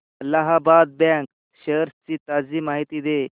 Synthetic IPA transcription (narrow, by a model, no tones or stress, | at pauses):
laɦabad̪̚bɛ̃ŋk | ɕəɾst͡ɕiːt̪ad͡ziːmaɦit̪iːd̪e